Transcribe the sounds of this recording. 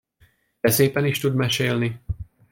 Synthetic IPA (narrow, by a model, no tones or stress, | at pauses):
ɛsɛjpɛniʃt̪ud̪mɛʃɛjlnɪ